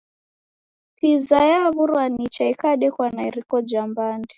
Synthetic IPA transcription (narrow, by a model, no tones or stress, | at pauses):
pizajaβuɾwanit͡ʃaikaɗɛkwanaiɾikɔd͡ʒambaːndɛ